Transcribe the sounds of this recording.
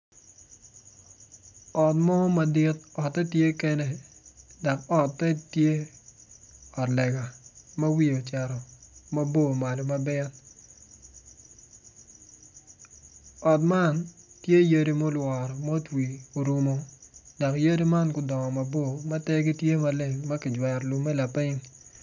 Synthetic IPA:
ɔ˨t̚mɔ˦ma˨dɪ˦t̚ɔ˨tːɛ˦tje˦ke˦nɛ˨da˨kɔ˨tːɛ˦tje˦ | ɔ˨tlɛ˨ɡa˨ma˦wi˦o˨t͡ʃa˨ɾɔ˨ma˦bo˦˨ma˨lo˨ma˦bɛ˦n | ɔ˨tma˦ntje˦je˦di˦mo˦lwɔ˨ɾɔ˨mo˦twi˨o˨ɾu˦mo˦da˨kje˦di˦ma˦nkʊ˨dɔ˨ŋɔ˨ma˨bo˦˨ma˦tɛ˦ɡi˦tje˦ma˦le˨ŋmɐ˦kɪ˨d͡ʒwɛ˨ɾlu˨mːɛ˦la˨pɪ˦ɲ

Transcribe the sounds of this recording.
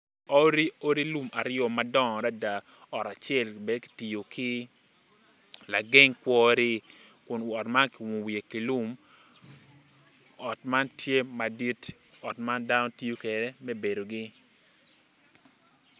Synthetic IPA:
o˦ɾi˦o˦ɾi˦lu˦ma˨ɾɪɔ˨ma˦dɔ˦ŋɔ˨ɾa˦da˨ | ɔ˨ɾa˨t͡ʃjɛ˦˨lbe˨dki̥˨ti˨jo˨kʰɪ˦ | la˨ɡɪ˦ŋkwɔ˦ɾɪ˦ | kʊ˨nɔ˨tma˦nkɪ˨wo˨wi˨e˨ki˨lu˦m | ɔ˨tma˦ntje˦ma˨di˦t | ɔ˨tma˦nda˦nɔ˦ti˦o˦ke˨ɾɛ˦mɛ˦be˨do˨ɡɪ˦

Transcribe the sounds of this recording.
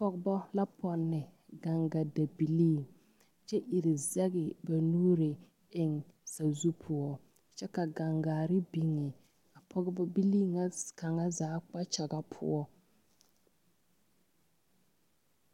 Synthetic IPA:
pɔ˦ɡɪ˦bɔ˦la˦pʰɔ˨nːɪ˨ɡa˨ŋɡa˨da˨bi˨liː˦˨ | t͡ʃɛ˦ʔi˨ɾɪ˨zɛ˦ɣɪ˨ba˨nuː˦ɾɪ˨ | ɪ˨ŋ | sa˨zu˦pʰʊ˨ɔ˦ | t͡ʃɛ˦ka˨ɡa˨ŋɡaː˨ɾɪ˦bi˨ŋɪ˨ | a˨pʰɔ˦ɡɪ˦bɔ˦bi˦liː˦ŋa˦ka˨ŋa˦zaː˨˦k͡pa˦t͡ʃa˨ɡa˦pʰʊ̰˦ɔ˦

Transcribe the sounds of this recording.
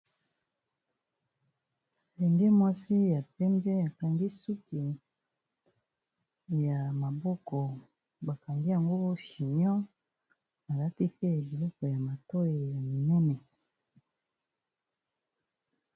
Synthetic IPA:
lɛ˨ŋɡɛ˦mwa˦si˦ja˨pɛ˦mbɛ˦a˨ka˨ŋɡi˦su˦ki˨ | ja˨ma˨bɔ˦kɔ˨ | ba˨ka˨ŋɡi˦ja˨ŋɡo˦ʃi˨ɲɔ̃˦ | a˨la˦ti˦pɛ˦a˨bi˨lɔ˦fɔ˨ja˨ma˨tɔ˦je˨ja˨mi˨nɛ˦nɛ˨

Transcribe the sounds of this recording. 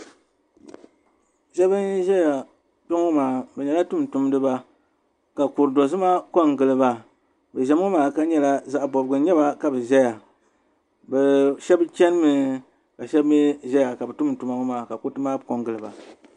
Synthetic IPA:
ʒɛ˦bɨ˦nʒɛ˦ja˨ | pʊ˦ŋ˦maː˨bɛ˨ɲɛ˨la˦tu˦mtʊ˦m˦dɨ˦ba˦ | ka˨ku˨ɾdo˨zɨ˦ma˦ko˦ŋɡɨ˨lɨ˨ba˨ | bɛ˨ʒɛ˨m˦ŋ˦maː˨ka˦ɲɛ˦la˦za˦ʔbɔ˨bɡɨ˨ɲɛ˦ba˦ka˨bɨ˨ʒɛ˦ja˨ | bɛ˨ʃɛ˦bt͡ʃɛ˦n˦mɨ˨ | ka˨ʃɛ˦bme˦ʒɛ˦ja˨ka˨bɛ˨tʊ˦mtu˨ma˨˦ŋ˦maː˨ka˨ku˦tɨ˦maː˦˨ko˦ŋɡɨ˨lɨ˨ba̰˨

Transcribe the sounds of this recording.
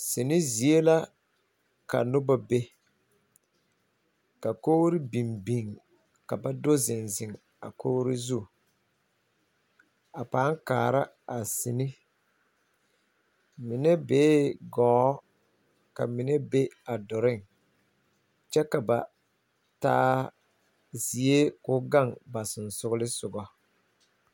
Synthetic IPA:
sɪ˨nɪ˦zi˨e˦la˦ | ka̰˨nʊ˦ba˦be˦ | ka˨koː˦ɾɪ˦bi˨mbi˨ŋ | ka˨ba˦dʊ˦zɪ˨nzɪ˨ŋ | a̰˨koː˦ɾi˦zu˦˨ | a˨paː˨˦ŋkaː˨ɾa˦ | a˨sɪ˨nɪ˦ | mɪ˨nɛ˦beː˦ɡɔː˨˦ | ka̰˨mɪ˨nɛ˦be˦a˨dɔ˨ɾɪ˦ŋ | t͡ʃɛ˦ka˨ba˨ | ta̰ː˦ | zi˨e˦kʊ˦ɡa˦˨ŋba˨sɪ˨n˨sʊ˦ɣʊ˦lɪ˦sʊ˨ɡɔ˦

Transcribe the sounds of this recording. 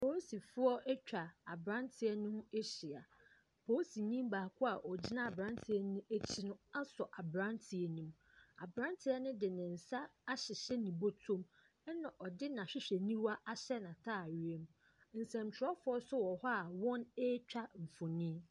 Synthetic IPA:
pʰo˦si˨fʊ˦ɔ˦ʔɛ˦t͡ɕᶣa˨a˨bɾã˦ntʰɪ˨ɛ˨nʊ̃˦e˦ɕi˨a˨ | pʰoː˦si˨ɲĩ˦mbaː˨kʰʊ˦a˨ʔɔ˨d͡ʑi˦nã˦a˨bɾã˦n˦tʰɪ˨ɛ˦nʊ̃˦e˦t͡ɕʰi˦nʊ̃˦a˦sɔ˨ʔa˨bɾã˦ntʰi˨ɛ˨nĩ˨m˦ | a̰˨bɾã˦ntʰɪ˨˦ɛ˦nʊ̃˦dɪ˨nɪ̃˨n̩˨sa˦a˦ɕɪ˨ɕɛ˦nĩ˨bo˦tʰõ˦m | ɛ˦nã˨ʔɔ˨dɪ˦nã˨ɕᶣɪ˦ɕᶣɛ˨nĩ˦wa˦ʔa˦ɕɛ˦nã˨tʰaː˦˨ɥi˦e˦m˦ | n̩˨sɛ̃˨m˨t͡ɕᶣʰɪ˨ɾɔ˦fʊ˦ɔ˦sʊ˦wɔ˨hɔ˦a˨wɔ̃˦ne˦t͡ɕᶣa˦ɱ̩˨fʊ̃˨nĩ˦

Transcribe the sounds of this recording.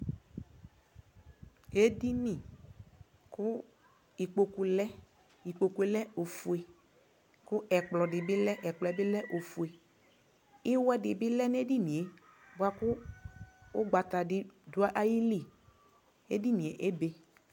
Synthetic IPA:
e˦di˦nĩ˦˨ | kʊ˦ | i˨k͡po˨ku˨lɛ˦ | i˨k͡po˨ku˨˦e˨˦lɛ˦o˨fu˨e˨ | kʊ˦ʔɛ˨k͡plɔ˨dɪ˨bɪ˦lɛ˦ʔɛ˨k͡plɔ˨ɛ˨˦bɪ˦lɛ˦ʔo˨fu˨e˨ | ɪ˦wɛ˦dɪ˨bɪ˦lɛ˦n˦e˦di˦nĩ˨e˨ | bʊ˦a˦kʊ˦ | ʊ˦ɡ͡ba˨t̪a˨dɪ˨dʊ˨˦a˦ʔa˦ji˦li˦˨ | ḛ˦di˦nĩ˨e˨ʔe˦be˨

